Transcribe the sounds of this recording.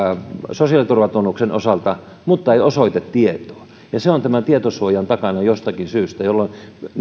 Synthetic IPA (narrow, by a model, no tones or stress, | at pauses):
sosiɑlit̪urʋɑt̪unːukseno̰sɑlt̪ɑ | mut̪ːɑeiosoit̪et̪tiet̪o̥ː | jɑseont̪æmænt̪iet̪osuojɑnt̪ɑkɑnɑjost̪ɑkinsyːst̪æjolːon